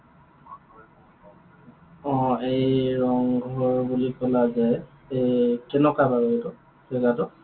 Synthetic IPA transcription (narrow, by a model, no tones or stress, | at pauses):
ɔ̃ejɹɔŋɡʱɔɹbulikɔlazɛ | ejkɛnɔkabaɹɔetɔ | sɛɡatɔ